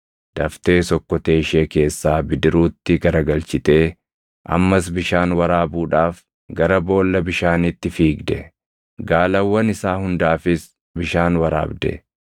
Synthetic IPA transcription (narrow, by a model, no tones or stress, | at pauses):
d̪̥ɐft̪e̞ːsɔkːɔt̪eːʃe̞ːke̞ːsːaːbɪd̪ɪɾuːt̪ːɪɡɐɾɐɡɐlt͡ʃɪt̪e̞ː | ʔɐ̰mːɐs̬bɪʃaːnwɐɾaːbuːᶑaːf | ɡɐɾɐbo̞ːlːɐbɪʃaːnɪt̪ːɪfiːɡd̪ɛ | ɡaːlɐwːɐnɪsaːhʊnd̪aːfɪs | bɪʃaːnwɐɾa̰ːbd̪ɛ̰